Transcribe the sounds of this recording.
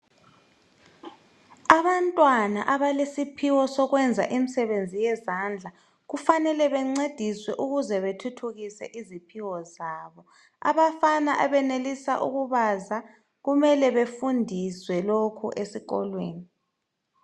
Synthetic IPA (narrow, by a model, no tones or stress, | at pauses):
aβantʼwana̰ʔaβalesipʰiwɔsɔɣwɛnd͡zʱa̰ʔimisɛβend͡zʱijɛzand͡ɮʱa | ɣufanɛlɛβɛŋ͡ǀed̥ʱiswɛʔuɣuzɛβetʰutʰuɣisɛ̰ʔizipʰiwɔzaːβɔ | a̰βafanaʔaβɛnelisa̰ʔṵɣuβaza | ɣumɛlɛβefundʱiswɛlokʰṵʔesiɣɔ̰lwḛːni